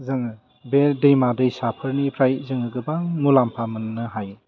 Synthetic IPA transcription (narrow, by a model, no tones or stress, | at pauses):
zɯŋɯ | bedɯjmadɯjsapʰɯɾnipʰɾajzɯŋɯɡɯbaŋulampʰamɯnːɯɦaj